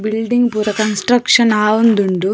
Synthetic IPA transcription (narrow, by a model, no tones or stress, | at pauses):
bilɖiŋɡpuːɾɐkɐnsʈɾɐkʂɐnaːʋond̪uɳɖu